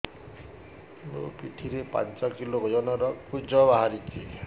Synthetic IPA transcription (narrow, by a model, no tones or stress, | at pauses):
mo̰piʈʰiɾepa̰nt͡ʃɔkiloɡʱɔd͡ʒɔnɔɾɔkud͡ʒɔbaɦaɾit͡ʃʰi